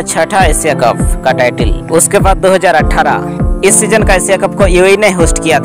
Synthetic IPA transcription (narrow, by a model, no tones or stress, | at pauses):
t͡ʃʰəʈʰaesijakəp̚kaʈaːʈɪlʊskebaːd̪̚d̪ːoːɦəd͡ʒaːɾəʈʰːaːɾa̰ | ɪsːid͡ʒənkaesijakəp̚kojueineɦoːsʈkijat̪ʰ